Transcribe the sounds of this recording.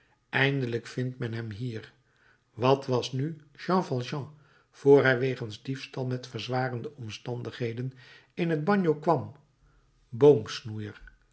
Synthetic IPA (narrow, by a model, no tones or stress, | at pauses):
ɛjndələkfɪntmɛnɦɛmɦiːɹ | ʋɑtʋɑsny | ʒ̥ɑ̃fɑlˠʒɑ̃ | v̥oːɹɦɛjʋejχənzdifstɑlˠmɛtfəɹzʋaːrəndəɔmstɑndəχɦejdən | ɪnɦəd̚bɑɲjokʋɑm | bowmsnujəɹ